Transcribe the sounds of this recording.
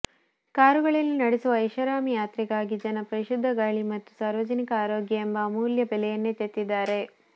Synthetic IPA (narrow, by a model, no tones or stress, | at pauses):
kaːɾuɡɐɭilːunɐɽesuʋɐɐjʃʋɐɾaːmijaːt̪ɾiɡaːɡid͡ʒɐnɐpɾɐɾiʃud̪ʱːɐɡaːɭimɐt̪ːu̥saːɾʋɐd͡ʒɐnikɐaːɾoːɡjɐembɐmuːljɐbɛlɛjɐnːet̪et̪ːid̪ːaːɾe̞